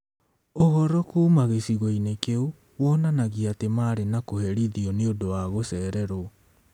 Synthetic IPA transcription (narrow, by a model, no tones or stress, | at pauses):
oɣɔɾɔkuːmaɣesiɣoinekeu | wɔnanaɣiatemaːɾenakohɛɾiðiɔneodowaɣosɛːɾɛɾo